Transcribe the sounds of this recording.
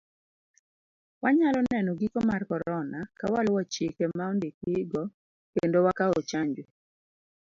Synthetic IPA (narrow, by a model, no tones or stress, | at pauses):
waɲalɔnɛnɔɡikɔmarkɔɾɔnakawalwat͡ʃekemaɔndekɪɡɔ | kendowakaɔot͡ʃaɲd͡ʒwe